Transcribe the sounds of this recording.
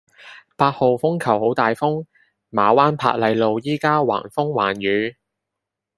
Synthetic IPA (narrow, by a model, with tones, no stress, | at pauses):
paː˧t̚ho˨wfʊ˥ŋkʰɐ˨˩who˨˥wt̪aː˨jfʊ˥ŋ | maː˨˦waː˥npʰa̰ː˧t̚lɐ˨˧jlo˨wjiː˥kaː˥wa̰ː˨˩nfʊ˥ŋwa̰ː˨˩nɥyː˨˧˥